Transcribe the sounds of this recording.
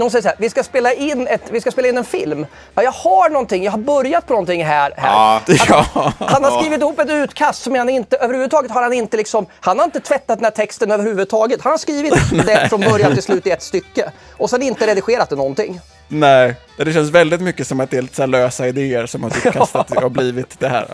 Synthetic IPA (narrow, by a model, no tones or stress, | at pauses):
nhʊnsɛjəs̬hæːɾvɪskaspeːlaʔɪnːɛt̪vɪskaspeːlaɪnːɛnfɪlm | ɑjɑːɡhaɳɔnt̪ɪŋjɑːɡhaɾbœɾjat̪̚pʰɔnɔnt̪ʰɪŋːɦæːɾhæ̰ːɾ | hanhaɾskɾiːvɪt̪ɪhuːpːɛt̪ʉ̟ːt̪kʰast̪sɔmjanɪnt̪əʔøːvɾhʉːvʉd̪t̪ʰɑːɡət̪haɾhanɪnt̪əlɪksɔmhanhaɾɪnt̪ət̪ʰvɛt̪ːat̪d̪ɛnæːʈ̪ʰɛkst̪ənøːvəɾhʉvʉd̪t̪ʰɑːɡət̪hanhaʂkɾiːvɪt̪d̪ɛfɾɔnbœɾjant̪ɪlslʉ̟ːt̪ɪɛt̪st̪ʏkːə | ʔɔsɛnɪnt̪əɾɛd̪ɪɧeːɾat̪d̪ɛnɔnt̪ɪ̰ŋː | nɛɪ | d̪ɛɕ̬ɛnsvɛld̪ɪt̪mʏkːəsɔmat̪̚d̪ɛlɪt̪ə̥sæːløːsaɪd̪eːəɾsɔmhaɾkʰast̪at̪habliːvɪt̪d̪ɛhæ̰ːɾ